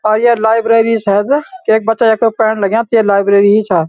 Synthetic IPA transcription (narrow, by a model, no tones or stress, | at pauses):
aːɾjelaːɪbɾeːɾisɛːd̪keeːk̚bətːʃajekopɛːɳləɡjãːt̪ijelaːɪbɾeːɾiɦit͡ʃʰaː